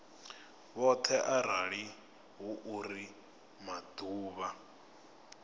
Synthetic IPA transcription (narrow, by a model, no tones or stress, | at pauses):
βɔt̪ʰɛʔaɾaɺi | ɦuʔuri | mad̪̥uːβa